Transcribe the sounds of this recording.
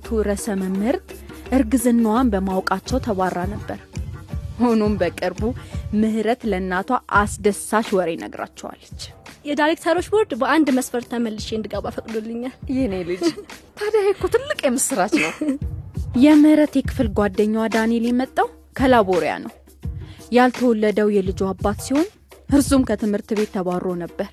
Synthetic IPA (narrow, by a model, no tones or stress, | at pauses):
t̪ʰuɾəsəməmhɨɾt̪ʼʔɨɾɡɨzɨnːwanbəmawkʼat͡ʃːɛwt̪ʰəɡʷarːanəbːəɾ | honumbəkʼɨɾbumɨhɾət̪lənːat̪ʰaʔasd̪əsaʃwɔɾenə̰ɡɾa̰t͡ʃːɛwa̰lːət͡ʃːjɛd̪aɾek̚t̪ʰaɾot͡ʃboɾd̪bəʔand̪məsfəɾt̪ʰaməlːɨʃeɨnd̪ɨɡabafəkʼd̪ulːɨɲːaljɛnelɨd͡ʒt̪ʰad̪ajkːot̪ʰɨlːɨkʼjɛmɨsːɨɾat͡ʃnəw | jɛmɨhɾət̪jɛkʰɨ̥fɨlɡʷad̪ːəɲːwad̪anelimət̪ʼːaw | kʰəlaboɾija̰nəw | jalt̪ʰəwɔlːəd̪əwjɛlɨd͡ʒuabːat̪siho̞n | hɨɾsumkʰət̪ʰɨmhɨɾt̪βe̞t̪ʰːəβaɾːo̞nəbːəɾ